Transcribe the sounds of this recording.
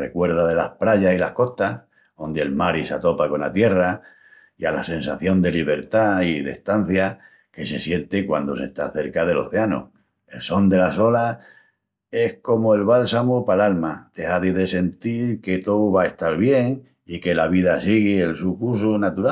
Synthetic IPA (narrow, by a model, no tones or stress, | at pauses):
rḛkwe̞ɾð̞aðe̞lahpɾaʝasilahko̞ht̪a | o̞nd̪eelmaɾisat̪o̞pako̞na̰t̪je̞ra | iala̰sẽ̞nsaθjo̞nd̪e̞liβ̞e̞ɾt̪aiðḛht̪an̟θja | ke̞se̞sje̞nt̪ekwa̰nd̪o̞se̞̰ht̪aθe̞ɾkaðe̞lo̞̰θe̞ano̰ | e̞lso̞nd̪e̞laso̞la | e̞hko̞moe̞lβalsamupalalmad̪̥ehaðiðe̞se̞nt̪iɾke̞t̪owβae̞ht̪aɾβje̞ŋ | ike̞laβ̞iðasiɣielsukus̬unat̪uɾa